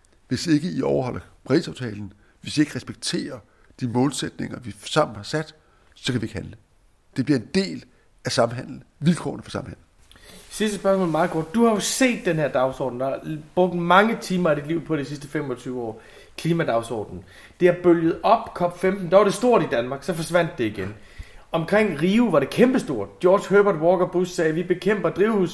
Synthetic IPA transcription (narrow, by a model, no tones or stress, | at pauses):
ʋe̝se̝ɡ̥əiɒʊɐɦɒ̽l̰ɐpʰʁḭsɑ̈ʊt͡sʰɛ̰ːln̩ | ʋe̝sie̝ɡ̥ʁɛsb̥eɡ̥̚t͡sʰe̝̰ːɐ | d̥imɔ̰̽ːlsed̥ne̝ŋɐʋisɑ̈m̰n̩hɑ̈sæd̥ | sɒkʰæʋie̝ɡ̥hænlə | d̥e̝b̥liɐe̝nd̥e̝̰ːl | æsɑ̈mɦæn̰ln̩ʋilkʰɒ̰ːnəfɒsɑ̈mhæn̰l̩ | sisd̥əsb̥ɶɐsmɔ̰ːlmɑ̈ð̩ˠɡ̥ɒd̥d̥uhɑ̈jo̝se̝̰ːd̥ːenheɐ̰d̥ɑ̈ʊsɒ̰ːd̥n̩d̥ɑb̥ʁɔ̽ɡ̥ð̩ˠmɑ̈ŋət͡sʰiːmɐædid̥liʊ̰pʰɒ̽ɾ̥isisd̥əfemɒ̽t͡sʰyːʊɒ̰ː | kʰliːmæd̥ɑ̈ʊsɒ̰ːd̥n̩ | d̥e̝æɐb̥øljð̞̩ˠɒ̽b̥kʰɒ̽b̥femd̥n̩d̥ɑ̈ʋɑ̈ɾ̥e̝sd̥o̝ɐ̰d̥id̥ænmɑ̈ːɡ̥sɒ̽fɒ̽sʋæn̰d̥ːe̝iɡ̥en | ɒ̽mkʰʁeŋ̰ʁiːʊʋɑ̈ɾe̝kʰemb̥əsd̥o̝ɐ̰d̥d̥jɒːd̥shøb̥ɐd̥wɒːɡ̥ɐb̥usːɛːʋib̥e̝kʰem̰b̥ɐd̥ʁiːʊhus